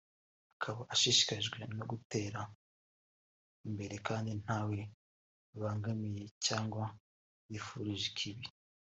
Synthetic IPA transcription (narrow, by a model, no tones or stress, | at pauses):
akʰaβaʔaʃiʃi̥kaʒɡwe̞noɡute̞ːɾa | imbe̞ɾe̞kaːndin̥haːwe̞ | βaːŋɡamije̞caːŋɡwa | jifuɾiʒikʰiβi